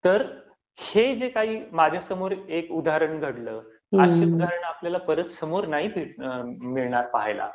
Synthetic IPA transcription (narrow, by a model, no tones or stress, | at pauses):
t̪əɾ | hed͡zekaɦiːmad͡ʑʱjasəmoɾekud̪ʱaɾəɳɡʱəɽləː | aɕeud̪aɾəɳapljalapəɾət̪səmoɾnaɦipiʈmiɭɳaɾpaɦejla̰